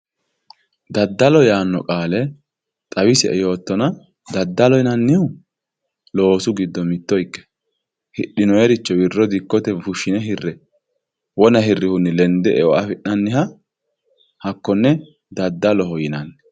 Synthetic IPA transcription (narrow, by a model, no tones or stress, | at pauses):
d̪ɐd̪ːɐlɔjaːnːɔkʼaːlɛ | t̪ʼɐwɪsɛɛjo̞ːt̪ːɔnɐ | d̪ɐd̪ːɐlɔjɪnɐnːɪʊ | lo̞ːsʊɡɪd̪ːɔmɪt̪ːɔjkːɛ̥ | hɪɗɪnɔjɛɾɪt͡ʃːɔwɪrːɔd̪ɪkːɔt̪ɛfʊʃːɪnɛɦɪrːɛ | wɔnɐɦɪrːɪhʊnːɪlɛnd̪ɛʔɛwɔɐfɪʔnɐnːɪhɐ | hɐkːɔnːɛ | d̪ɐd̪ːɐlɔɦɔjɪnɐnːɛ